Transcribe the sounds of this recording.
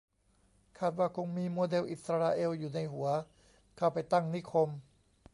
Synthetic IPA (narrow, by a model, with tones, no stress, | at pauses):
kʰaː˥˧˩t̪̚waː˧˩kʰo˧ŋmiː˧˥˨moː˧de˧wʔi˨˩t̪̚sa˧ɾaː˧ʔeː˧wjuː˨˩na˧˥jhu˨˩˦ɐ | kʰa˧˩wpa˨˩jt̪a˥˩ŋni˦˥˩kʰo˧m